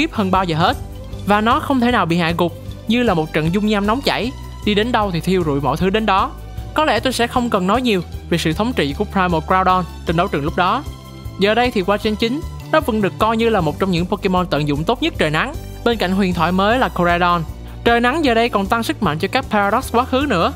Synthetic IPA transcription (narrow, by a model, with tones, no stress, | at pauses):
xi˦˥əp̚həː˧nɓaː˧wzəː˨˩ɦe˦˥t̚ | vaː˨˩nɔ˨˦xə˧wŋ͡mt̪ʰe˧˩naː˨˩wɓḭ˧˨ha̰ː˧˨jkʊ˨˩k͡p̚ɲɨ˧laː˨˩mo˨˩t̚t͡ɕə̰˧˨nzʊ˧ŋ͡mɲaː˧mnɔ˨˦wŋ͡mt͡ɕa̰˧˩˨j | ɗi˧ɗe˨˦nɗə˧wt̪ʰi˨˩t̪ʰi˧əwzṵ˧˨jmɔ̰˧˨jt̪ʰɨ˨˦ɗe˨˦nɗɔ˨˦ | kɔ˨˦lɛ̰˧˩t̪o˧jsɛ̰˧˥xə˧wŋ͡mkə˨˩nːɔ˨˦jɲi˨˩əwve˨˩sɨ̰˧˨t̪ʰə˨˦wŋ͡mt͡ɕḭ˧˨ku˧˩əpɾaː˧jmo˧kɾaː˧wɗɔ˧nt͡ɕe˧nɗə˨˦wt͡ɕɨ˨˩ŋlʊ˦˥k͡p̚ɗɔ˨˦ | zəː˨˩ɗə˧jt̪ʰi˨˩kwaː˧t͡ɕe˧nt͡ɕï˨˦ŋ̟ | nɔ˨˦və̰˧˥nɗɨ˨˩əkːɔ˧jɲɨ˧laː˨˩mo˨˩t̚t͡ɕɔ˧wŋ͡mɲɨ̰˧˥ŋpo˧ke˧mo˧nt̪ə̰˧˨nzʊ̰˧˨ŋ͡mt̪o˦˥t̚ɲə˦˥t̚t͡ɕəː˨˩jna˨˦ŋ | ɓe˧nka̰˧˨jŋ̟ɦwḭ˨˩ənt̪ʰwa̰ː˧˨jməː˨˦jlaː˨˩ko˧zaː˧ɗɔ˧n | t͡ɕəː˨˩jna˨˦ŋzəː˨˩ɗə˧jkɔ˨˩nt̪a˧ŋsɨ˦˥k̚ma̰˧˨ŋ̟t͡ɕɔ˧kaː˦˥k̚pʰa˧a˧ɗɔ˦˥s̚kwaː˨˦xɨ˨˦nɨ̰˧˥ə